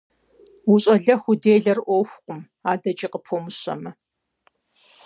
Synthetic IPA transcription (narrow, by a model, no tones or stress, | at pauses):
wʊɕʼɐɮɐxʷʊdeːɮɐrʔʷɔwxʷqʷʼʊm | aːdɐt͡ʃʼiqəpʰomɨɕɐ̰mɐ